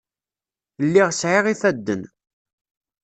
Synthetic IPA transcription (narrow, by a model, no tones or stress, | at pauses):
lːiʁsʕɪʁiθæd̪ːən